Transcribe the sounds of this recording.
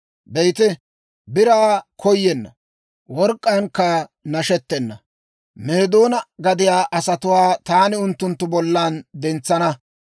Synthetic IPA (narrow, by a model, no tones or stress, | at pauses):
bɛjt̪ɛ | bɪɾaːkʰɔjːɛnːɐ | wɔɾkʼːaŋkːɐnɐʃɛt̪ːɛnːɐ | meːd̪o̞ːnɐɡɐd̪ɪjaːʔɐsɐt̪ʊwaːt̪aːnɪʊnt̪ːʊnt̪ːʊbɔlːand̪ɛnt͡sːɐnɐ